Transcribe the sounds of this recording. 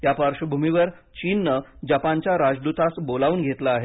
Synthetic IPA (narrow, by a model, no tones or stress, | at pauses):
ɦjapaɾʂəbʱumiʋəɾ | t͡ɕinːəd͡ʑapaɲt͡ɕjaɾad͡ʑd̪ut̪asbolaʋuːnɡʱet̪laːɦe